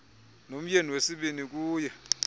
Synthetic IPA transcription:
nom̩jeniwesiɓinik̬ʼuːjɛ

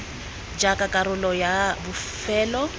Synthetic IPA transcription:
d͡ʒakʼakʼaɾʊlɔjabʊfɛːlɔ

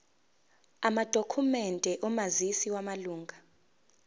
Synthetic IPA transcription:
amad̥ʱokʰumɛndʱɛʔɔmazisiwamaluːŋɡʱa

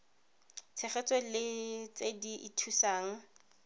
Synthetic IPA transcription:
t͡sʰɛχɛt͡sʼelɪt͡sediʔitʰusaːŋ̩

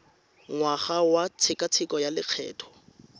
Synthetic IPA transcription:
ŋwaχawat͡sʰɪkat͡sʰɪkʼɔjalɪq͡χʰɛ̰ːtʰɔ̥

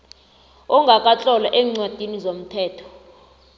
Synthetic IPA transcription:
ɔŋɡʱakʼat͡ɬʼɔlaʔɛːŋ͡ǀwad̥ʱinizom̩tʰɛːtʰɔ̥

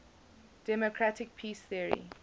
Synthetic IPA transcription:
d̥ɛmokʰɹatɪk̚pʰiːsθiəɹḭ

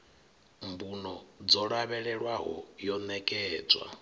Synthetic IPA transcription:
mbunɔd͡zɔɺaβɛɺɛɺwaɦɔ̰jɔnɛkʼɛːd͡zwa̰

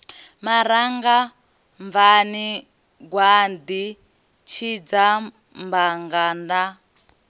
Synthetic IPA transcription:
maɾaŋɡa | ɱvani | ɡwand̪i | t͡ʃʰid͡za | mbaŋɡanda

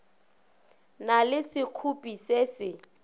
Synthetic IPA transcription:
nalɪsɪkʰupʼiseːsɪ

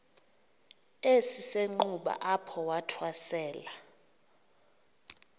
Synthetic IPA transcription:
esiseŋ͡ǃuɓa̰ʔapʰɔwatʰwasɛːla

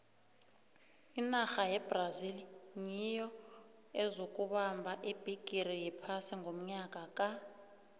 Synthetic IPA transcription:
inaxajɛbraziliɲijɔ | ɛzok̬ʼuɓambʱaʔib̥ʱiɡ̥ʱirijipʰasiŋɡʱom̩ɲakʼakʼa

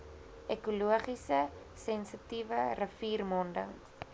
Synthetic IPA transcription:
ʔɛkuluəχisə | sɛnsətivərəfiːrmɔndə̰ŋ

